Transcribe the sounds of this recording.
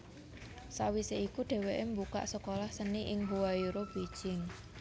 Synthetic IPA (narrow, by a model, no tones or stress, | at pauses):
sawiseikuɖ̥e̤weʔembuka̰ʔsəkolahsəniʔɪŋɦuwajuɾob̥id̥ʒ̥ɪŋ